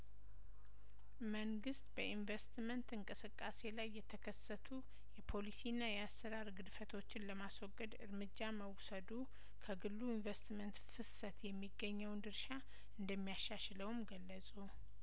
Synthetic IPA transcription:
məŋɡɨst̪bəinvest̪mənt̪ɨŋkʼɨsɨkʼːase̞lajːɛt̪ʰəkʰəsːət̪ʰu | jɛpʰo̞lisinːajɛasːəɾaɾɡɨd̪fət̪ʰo̞t͡ʃːɪnləmaswɔɡʼːəd̪ɨɾmɨd͡ʒːaməwsəd̪u | kʰəɡɨlːuiɱvest̪mənt̪fɨsət̪jɛmːiɡːəɲːəwnd̪ɨɾʃa | ɨnd̪əmːijaʃaʃləwumɡəlːəsʼu

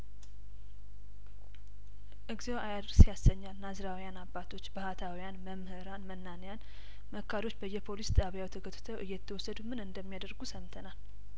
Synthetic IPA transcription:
ʔɨɡzewajad̪ɾsjasːəɲːalnazɾawjanabːat̪ʰo̞t͡ʃːbɨhat̪ʰawijanməmhɨɾanmənːanjan | məkʰːaɾo̞t͡ʃːbəjːɛpʰo̞list̪ʼaβjawɛt̪ʰəkʰət̪ʼːɨ̥t̪ʰəwʔɨjːɛt̪ʰːəwɔsːəd̪umɨnɨnd̪əmːijad̪əɾɡusəmt̪ʰənal

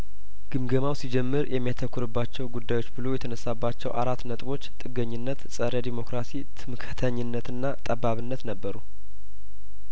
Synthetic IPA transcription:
ɡ̥ɨmɡəmawsid͡ʒɛmːɨɾjɛmːijat̪ʰəkʰːʊɾɨbːat͡ʃːɛwɡud̪ːajo̞t͡ʃːbɨlo̞jɛt̪ʰənəsːabːat͡ʃːɛwʔaɾat̪ːnət̪ʼbo̞t͡ʃːt̪ʼɨɡːəɲːɪnːət̪sʼəɾəd̪imo̞kɾasit̪ʰɨmkʰət̪ʰəɲːɪnːət̪ɨnːat̪ʼəbaβɨnːət̪nəbːəɾu

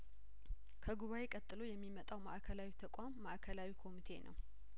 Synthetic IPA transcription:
kʰəɡuβawe̞kʼət̪ʼːɨlo̞jɛmːimət̪ʼawmaʔkʰəlawit̪ʰəkʷʼamːaʔkʰəlawikʰo̞mit̪ʰe̞̰nə̰w

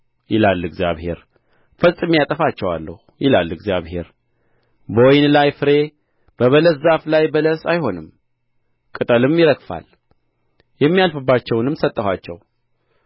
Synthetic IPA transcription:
jɪlalːɨɡzjaβhe̞̰ɾ | fəsʼɨmijat̪ʼəfat͡ʃːɛwa̰lːə̰hujɪlalːɨɡzjaβhe̞̰ɾ | bəwɔjnlajfɨɾe̞ | b̥əβələzaflajbələsajho̞nɨm | kʼɨt̪ʼəlɨmjɪɾəkfa̰l | jɛmːijalfɨbːat͡ʃːɛwnɨmsət̪ʼːəhat͡ʃːɛ̰w

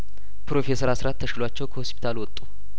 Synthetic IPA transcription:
pɾo̞fe̞səɾasɾat̪ʰːəʃɪlat͡ʃːɛwkʰəhospʰi̥t̪ʰalwɔt̪ʼːu

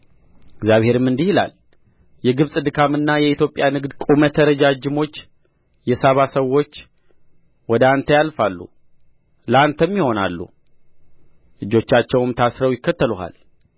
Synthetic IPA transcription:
ɪɡzjaβhe̞ɾɨmːɨnd̪ihila̰l | jɛɡɨβsʼɨd̪ɨkʰamɨnːajɛit̪jo̞pʼːjanɨɡd̪kʼumət̪ʰəɾəd͡ʒad͡ʒɪmo̞t͡ʃː | jɛsaβasəwːo̞t͡ʃː | wɔd̪əant̪ʰəjalfalːṵ | ləant̪ʰəmːiho̞na̰lːṵ | lɨd͡ʒo̞t͡ʃːat͡ʃːɛwɨmt̪ʰasɾəwjɪkːət̪ʰːəluha̰l

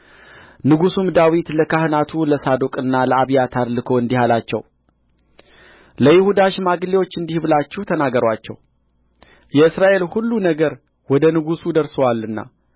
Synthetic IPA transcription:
nɨɡusumd̪awit̪ləkʰahɨnat̪ʰuləsad̪okʼɨnːaləaβijat̪ʰad̪lɨkʰo̞ɨnd̪ihalat͡ʃːɛ̰w | ləjɪhud̪aʃmaɡɨlewo̞t͡ʃːɨnd̪ihβɨlat͡ʃːuht̪ʰənaɡːəɾwat͡ʃːɛ̰w | jɛɨsɾaʔe̞lhulːunəɡəɾ | wɔd̪ənɨɡusud̪əɾsəwalːɨnːa̰

